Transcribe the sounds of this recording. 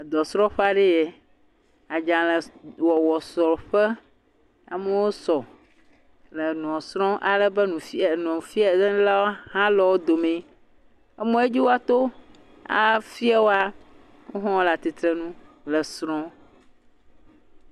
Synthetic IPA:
d̪ɔ˨sɾɔ̃˦ɸa˨ɖɛ˦je˨ | a˨d͡ʒã˨lə˨wɔ˨wɔ˨sɔ˨ɸɛ˦ | a̰˨me˦wo˦sɔ˨ | lə˨n˨ɔ̃˨sɾ̃ɔ̃˦ʔa˨lɛ˦bə˦nũ˨fi˦˨nɔ̃˨fi˦a˨dɛ˦la˦wo˦hã˦lɔ˨wo˦d̪o˨mẽ˨ | ɛ˦mɔ̃˦e˦d͡ʒi˦wo˦a˦t̪o˦ | a̰˨fi˦a˨wo˦a˦ | ŋo˦ɦɔ̃˦ɔ˦la˨t̪i˨t̪ɾɛ˨nũ˦lə˨sɾɔ̃˦

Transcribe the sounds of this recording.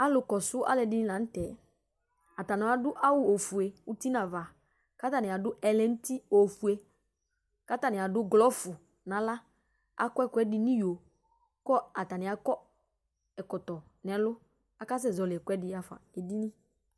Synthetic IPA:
a˦lʊ˨kɔ˨sʊ˦ʔa̰˦lɛ˨dɪ˦nɪ̃˦lã˨n̩˦tɛ˨ | a˨ta˨nã˨˦a˨dʊ˦ʔa˦wʊ˦o˨fu˨e˨ʊ˦ti˦nã˨va˨ | ka˦ta˨nɪ˨a˨dʊ˦ʔɛ˨lɛ˦n̩˦ti˦o˨fu˨e˨ | ka˦ta˨nɪ̃˨a˨dʊ˦ɡlɔ˦fʊ˨ | nã˨˦la˦ | a̰˨kɔ˦ɛ˦˨kʷɛ˦dɪ˨nĩ˦jo˨ | kɔ˦a˨ta˨nɪ˨a˨kɔ˦ | ɛ˨kɔ˨tɔ˨ | nɛ˨lʊ˦ | a˦ka˦s̬ɛ˦˨zɔ˨lɪ˨ɛ˨kʷɛ˦dɪ˦a˨fa̰˨e˨di˦nĩ˦

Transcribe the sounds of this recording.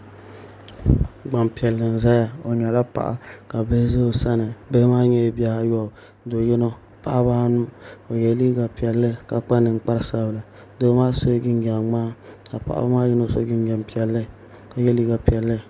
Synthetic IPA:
ɡ͡ba˨mpi˨ɛ˨lːɨ˨n̩˨za˦ja˦o˨ɲɛ˨la˦pa̰˨ʔa̰˨ka˨be˦zo˦˨sa˦nɨ˨be˦maː˦ɲɛ˦˨bi˦a˨a˦jɔ˦˨ | do˨˦jɪ˦no˦ | pa˨ʔbaː˦nʊ˦o˨jɛ˦liː˦ɡa˨pi˨ɛ˨lːɨ˦ka˨k͡pa˦nɨ˨˦k͡pa˦ɾsa˦bla˨do˦maː˦so˦ɡɪ˦n˦ɡa˨ŋ͡maː˦ka˨pa̰˨ʔa̰˨ba˦maː˦jɪ˦no˦so̰˦ɡɪ˦n˦ɡɛ˨mpi˨ɛ˨lːɨ˦ | ka˨jɛ˦liː˦ɡa˨pi˨ɛ˨lːɨ˦

